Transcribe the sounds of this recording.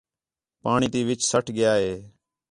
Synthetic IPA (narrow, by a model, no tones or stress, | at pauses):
paːɳ̃iːt̪iːʋɪt͡ʃsəʈʰɡɪjaːɦeː